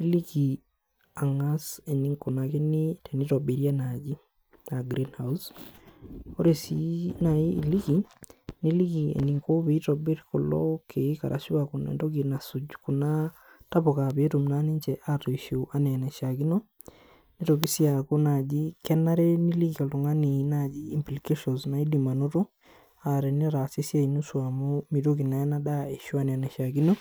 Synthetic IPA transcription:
i˦li˦ki˨ | a˨ŋase˨ni˦ŋko˨na˨ke˦ni˦te˨ni˦tobe˨ɾja˦nad͡ʒi˦ | naɡɾinhaus | o˦ɾe˨sinai˦ili˦ki˨ni˦li˦ki˨ḛ˨ni˨ŋko˦βe˨˦tɔbe˦ɾko˨lɔ̰kʰe˨˦ka̰˨ɾʔa̰˨ʃi˦waku˨nɛ̰˨ndo˦kina˨sud͡ʒku˨na˦ | ta˦βo˨ka˨βe˦to˨m˨na˦ni˦ɲd͡ʒɛ˨ʔa˦to˨i˨ʃo˨ʔa˦nɛ˨nɛ˨ʃa˨ki˦no˦ | ni˦ɾo˨ki˦si˦a˨ko˦na˨d͡ʒi˦kɛ˦na˦ɾɛ˦ni˦li˦kika˨lto˨ŋa˦ni˨˦na˨d͡ʒiː˦˨mpli˨ke˦ʃɔ˨nzna˨i˦di˨ma˨no˦ɾo˦ | a˨ɾɛ˨nɛ˦ɾa˨si˦sja˦i˨nu˦swa˨mo˦mi˨ɾo˦ki˨na˨jɛ˦na˦ɗa˦e˨ʃo˦a˦nɛ˨a˨nɛ˨ʃa˨ki˦no˦

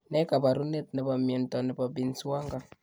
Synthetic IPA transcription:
nɛ˦ka˨ba˨ɾu˦ne˦tnɛ˨ba˨mjɛ˨ntɔ˨nɛ˨ba˨bi˨nsu˦wa˦ŋɡa˦

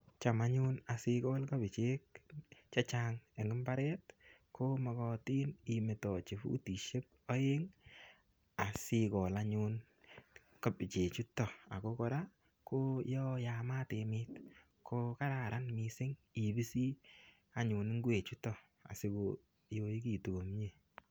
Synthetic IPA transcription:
t͡ʃa˨ma˦ɲʊ˦na˨sɪ˦kɔ˦lka˦bɪ˨t͡ʃe˦k̚t͡ʃa˦t͡ʃa˦ŋe˨ŋɡɪ˦mba˦ɾɛ˦t̚ | kʰo˦mɔ˨kɔ˨ti˦ni˨me˨tɔ˨t͡ʃi˨fṵ˦ti˨ʃe˦p̚ | ɔ˦je˦ŋ | a˨sɪ˦kɔ˨la˦ɲu˦n | ka˨pi˨t͡ʃe˨t͡ʃu˦tːɔ˨a̰˨ko˦kɔ˦ɾa˦ | kʰo˦jɔ˦ja˨ma˦te˨mɪt | kʰo˦ka˦ɾa˨ɾa˦nmi˨sɪ˦ŋi˨bi˦si˦ | a˨ɲu˨nɪ˦ŋɡwe˨t͡ʃu˦tɔ˦ | a̰˨sɪ˦ko˨ | jo˦i˦ki˦˨tu˨ɡo˨mɲe˦˨

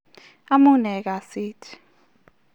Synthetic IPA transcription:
a˦mu˦nɛ˨k̬a˨siː˦tʰi̥

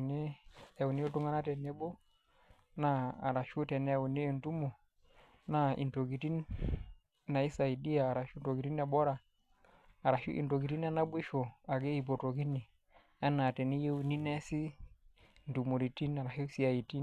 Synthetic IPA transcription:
ne˦ɛ˨u˨ni˦e˦tu˦ŋa˦na˦tɛ˨ne˦bo˦ | na˦a˨ɾa˨ʃu˦tɛ˨n˦a˨u˨ne˦˨ntu˦mo˨ | na˦ʔḭ˨nto˨ɡi˨ti˦n | na˨i˦sa˨i˨di˦jaː˨ɾa˨ʃu˦nto˨ɡi˨ti˦na˨ɓɔ˦ɾa˨ | a˨ɾa˨ʃṵ˦ʔḭ˨nto˨ɡi˨ti˦n˦a˦na˦be˦ʃo˨a˨ɡe˦i˨bo˨to˨ki˦ni˨ | a˦na˨tɛ˨ni˦je˦u˨ni˦nɛ˦si˦ | n˨tu˨mo˨ɾi˨ti˦na˨ɾa˨ʃi˦si˦a˨i˨ti˦n

